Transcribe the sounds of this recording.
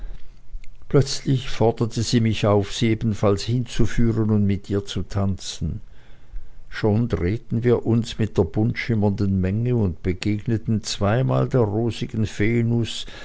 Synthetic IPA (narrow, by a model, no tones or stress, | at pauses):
pʰlœt͡slɪçfɔɐdɐtʰəziːmɪçaʊfz̥iːeːbn̩falshɪnt͡sufyːʁənʊntmɪtiːɐt͡sutʰant͡sn̩ | ʃoːndʁeːtn̩viːɐʔʊnsmɪt̚d̥eːɐb̥ʊntʃɪmɐndənmɛŋəʊntb̥əɡ̥eːɡnətn̩t͡sv̥aɪma̰ːldeːɐʁoːzɪɡ̥ən̩feːnʊs